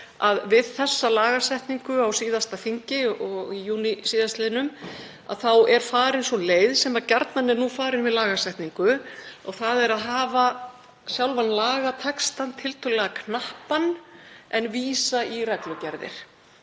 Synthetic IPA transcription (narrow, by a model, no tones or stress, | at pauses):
aðvɪðθɛsːalaːɣasɛjht̪niŋkʏawsiːðast̪afiɲcɪʔɔɣijuːnisiːðast̪lɛːnʏm | a̰ðθawɛɾ̥faːɾɪnsɔnleːjðsɛmacaɾt̪nanɛɾnuːfaːɾɪnvɪðlaːɣasɛjht̪niŋkʏɔɣθaðɛɾaðɦaːva | sjawlvanlaːɣat̪ʰɛkst̪ant̪ʰɪlt̪ʰʏlɛɣakʰnahpanʔɛnviːsaʔiɾɛklʏcɛɾðɪ̰ɾ̥